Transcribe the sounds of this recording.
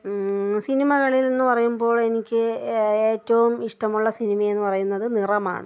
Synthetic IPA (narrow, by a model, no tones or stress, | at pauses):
sinimɐɣɐɭilenːɨpɐrɐjumbo̞ːɭe̞nikʲːɨeːtːɐʋumiʂʈɐmuɭːɐsinimɐjenːɨpɐrɐjunːɐðɨnirɐma̰ːɳɨ̰